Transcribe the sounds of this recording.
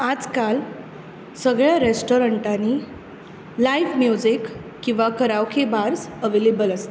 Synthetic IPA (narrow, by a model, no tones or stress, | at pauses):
ad͡zkal | səɡɭjaɾesʈoɾəɳʈani | laiʋmjud͡zikː | ĩw̃ʋakəɾaʋkʰebaɾsəʋelebələst̪a